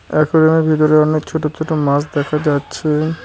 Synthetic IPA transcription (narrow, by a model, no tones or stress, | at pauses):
ɛkʰoɾemebʱit̪̬oɾeɔnekt͡ɕʰoʈot͡ɕʰoʈomasd̪ɛkʰad͡ʑatːɕʰe